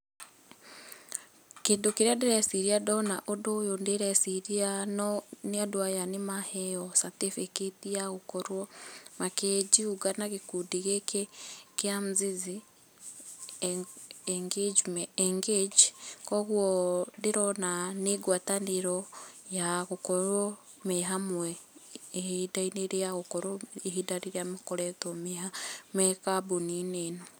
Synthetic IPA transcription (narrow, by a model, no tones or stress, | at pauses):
kiːndukiɾadiɾɛsiɾiadona̰ʔodojondeɾesiɾianɔniadwajanimahɛjɔsatefeketijaɣukɔɾwɔmakeɟiuɡanaɣikudiɣekekiamuzizi | ŋɡed͡ʒmeŋɡeɟikoɣwodiɾonaneɡwaːtaniɾojaɣukoɾwo | meɦamwweː | idaineɾejaɣukoɾoehidaɾiɾiamikoɾetomehamekabunineːno